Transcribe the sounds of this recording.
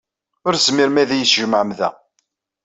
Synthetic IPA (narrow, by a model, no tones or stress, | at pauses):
ʊɾθzmɪɾmæðæjəsʒəmʕəmðæ̰